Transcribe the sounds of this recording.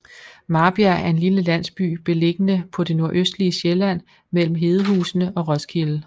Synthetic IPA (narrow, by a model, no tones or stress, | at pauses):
mɑ̈ːb̥iææɐe̝nliləlæn̰sb̥y̰ːb̥e̝le̝ɡ̥ənəpʰɒ̽de̝no̝ɐʔøsd̥liəɕelæn̰ | mel̰m̩ɦe̝ːð̞ˠəɦṵːsn̩əʔɒ̽ʁɒ̽skʰil̩